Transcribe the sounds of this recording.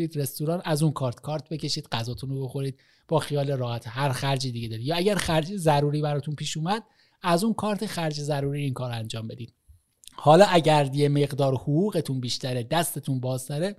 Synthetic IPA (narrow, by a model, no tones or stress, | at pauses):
ɾiːd̪ɾe̞st̪uɾɒːnæzunkʰɒːɾt̪ʰkʰɒːɾt̪̚ʰbe̞ce̞ʃiːd̪ɢæzɒːt̪ʰunobo̞xo̞ɾiːd̪̥̚ | b̥ɒːxijɒːleɾɒːhæt̪ʰehæɾxæɾd͡ʒiːd̪iɡed̪ɒːɾid̪jɒːæɟæɾxæɾd͡ʒezæɾuːɾiːbæɾɒːt̪ʰunpʰiːʃuːmæd̪̥̚ | æzunkʰɒːɾt̪ʰexæɾd͡ʒezæɾuːɾiːɾiːnkʰɒːɾænd͡ʒɒːmbe̞d̪iːd̪ | hɒːlɒːʔæɟæɾd̪jeme̞ɣd̪ɒːɾhuɣuːɣe̞t̪ʰunbiːʃt̪ʰæɾed̪æst̪e̞t̪ʰunbɒːzt̪æɾe